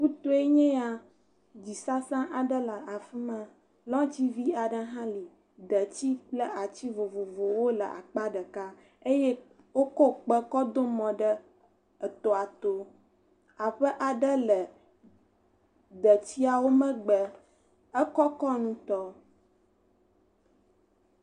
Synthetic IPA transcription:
ku˦t̪o˦e˦ɲɛ̃˦a˨ | d͡ʑi˨sa˦sã˦ʔa˨ɖə˦lə˨ʔa˨fi˦mã˦ | lɔ̃˦t͡ɕi˦vi˦a˨ɖə˦ɦã˦li˨ | d̪ə˨t͡ɕi˦k͡plə˦ʔa˨t͡ɕi˦vo˨vo˨vo˨wo˦lə̰˨ʔa̰˨k͡pa˦ɖə˨ka˦ | e˦jɛ˦ | wo˦kɔ˦k͡pə˦kɔ˦d̪o˦mɔ̃˨ɖə˦ | ə˨t̪o˨a˨t̪o˦ | a˨ɸə˦ʔa˨ɖə˦lə˨ | d̪ə˨t͡ɕi˦a˨wo˦mə̃˦ɡ͡bə˨ | ə˦kɔ˦kɔ˦nũ˦t̪ɔ˦

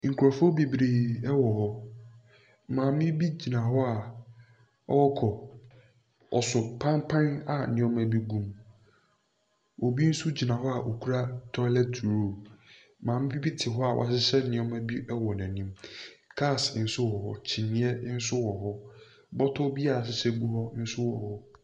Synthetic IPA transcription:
ŋ̩˨kʰu˨a˨fɔ˦bi˨bɾeː˨ɛ˦wɔ˨hɔ˦˨ | mãː˨m˦ĩ˦bi˦d͡ʑi˨nã˨ɦɔ˦a˨ | ɔ̰˦wɔ˦kʰɔ˨ | ɔ˨sʊ˨pʰã˦mpʰã˦na˨nɪ̃˨˦ɔ̃˦mæ˨bi˦ɡũ˦m | o˨bi˦n̩˦su˦d͡ʑi˨nã˨ɦɔ˦a˨ʔo˨kʰu˦ɾa˦tʰɔ˦ɪ˦lɛ˦tʰɾo˦˨ | mãː˨mɪ̃˦bi˦bi˦tʰɪ˨ɦɔ˦a˨wʔa̰˨sɪ˦sɛ˦nɪ̃˨ɔ̃˦mæ˦bi˦ʔɛ˦wɔ˨næ̃˨nĩ˦mkʰa˦˨sn̩˦sʊ˦wɔ˨hɔ̰˦t͡ɕʰi˨nĩ˦ɛ˦n̩˦sʊ˦wɔ˨ɦɔ˦ | bɔ˦tʰɔ˦bi˦a˨sɪ˦sɛ˦ɡu˦hɔ˦n̩˦sʊ˦wɔ̰˨hɔ˦

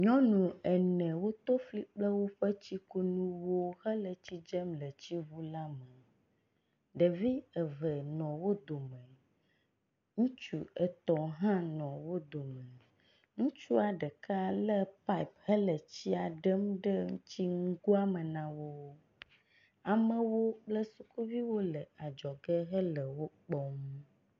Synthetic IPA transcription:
ɲɔ̃˦nũ˨ɛ˨nɛ̃˨wo˦t̪o˦fli˦k͡plə˦wo˦ɸə˦t͡ɕi˦ku˦nũ˦wo˦hə˦lə˨t͡ɕi˦d͡ʒə˦mlə˨t͡ɕi˦βu˦la˦mə˨ | ɖə˨vi˦ə˨və˨nɔ̃˨wo˦d̪o˨mɛ̃˨ | ŋũ˦t͡ʃṵ˨ə˨t̪ɔ˨ɦã˦nɔ̃˨wo˦d̪o˨mə̃˨ | ŋũ˦t͡ʃu˦a˨ɖə˨ka˦lə˦pa˦i˨phə˦lə˨t͡ɕi˦a˨ɖə˦m˦ɖə˦ŋũ˦t͡ɕi˦ŋũ˦ɡu˦a˦mə˨nã˨wo˦ | a˨mə̃˨wo˦k͡plə˦su˦ku˦vi˦wo˦lə˨a˨d͡ʒɔ˨ɡə˦ɦə˦lə˨wo˦k͡pɔ˦mu˦

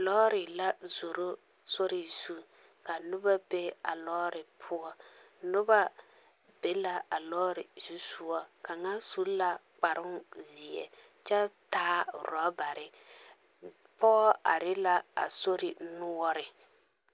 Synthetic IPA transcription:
lɔː˦ɾɪ˨la˦zo˨ɾo˦ | so˦ɾɪ˨z̥u˦ | ka˨nʊ˦ba˦be˦a̰˨lɔː˦ɾɪ˨pʰʊ˦ɔ˦ | nʊ˦ba˦ | be˦la˦a˨lɔː˦ɾɪ˨z̥u˦su˦ɔ˦ka˨ŋa˦su˦la˦k͡pa˨ɾʊ˦nzi˨ɛ̰˨ | t͡ʃɛ˦taː˦ɾɔ˨˦ba˨ɾɪ˨ | pɔ˦a̰˨ɾɪ˦la˦a̰˨so˦ɾɪ˨nʊ˦ɔ˦ɾɪ˨

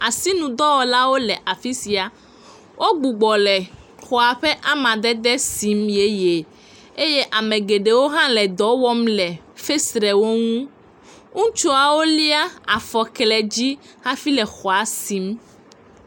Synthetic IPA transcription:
a˨si˦nũ˨d̪ɔ˦wɔ˨la˦wo˦lɛ˨ʔa˨fi˦si˨a˨ | wʔo˦ɡ͡bu˨ɡ͡bɔ˨lɛ˨ | xɔ˨a˨ɸɛ˦ʔa˦mã˨d̪ɛ˦d̪ɛ˦si˨˦mje˦je˨ | e˦je˦ʔa˨mẽ˨ɡe˨ɖe˨wo˦ɦã˦lɛ˨d̪ɔ˨˦wɔ˦mlɛ˨ | fe˦sɾɛ˨wo˦ŋũ˦ | ŋũ˦t͡ʃo˦a˨wo˦li˦a˦a˨fɔ˨klɛ˨d͡ʑi˦ | hã˦fi˦lɛ˨xɔ˨a˨si˨˦m

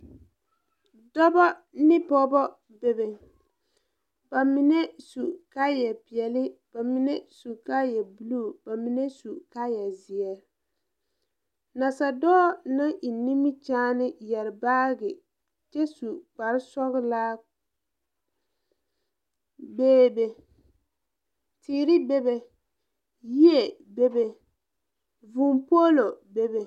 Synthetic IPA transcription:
dɔ˦bɔ˦nɪ˦pɔ˦bɔ˦ | be˨bɪ˨ŋ | ba˨mɪ˨nɛ˦su˨ka˦jɛ˨pɪ˨ɛ˨lɪ˦b̥a˨mɪ˨nɛ˦su˨ka˦jɛ˨bu˨lu˦˨b̥a˨mi˨nɛ˦su˨ka˦jɛ˨zi˨ɛ˨ | na˨sa˨dɔː˦na˦ʔi˨ni˦mi˦t͡ʃaː˦nɪ˦jɛ˨ɾɪ˨baː˦ɡɪ˨ | t͡ʃɛ˦su˨k͡pa˨ɾɪ˦sɔ˦ɣɪ˦laː˦ | beː˦be˨ | tiː˨ɾɪ˦be˦be˨ | ji˦e˨be˦be˨ | vu˨mpo˦lo˨be˦be˨

